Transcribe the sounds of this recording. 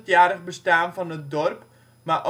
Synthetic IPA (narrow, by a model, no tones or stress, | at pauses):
tjaːɾəχbəstaːnvɑnət̚dɔrp | maʔo